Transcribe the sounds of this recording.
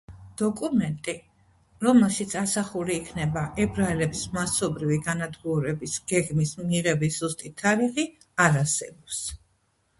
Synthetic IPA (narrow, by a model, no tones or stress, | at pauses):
d̪̥ɔkʼumɛnt̪ʼi | ɾɔmɛlˠʃit̪sʰasaχuɾiːkʰnɛbaʔɛbɾaɛlɛbsmasɔbɾiviɡanad̪ɡuɾɛbisɡ̥ɛɡmismiʁɛbisz̥ust̪ʼit̪ʰːaɾiχi | aɾasɛbɔps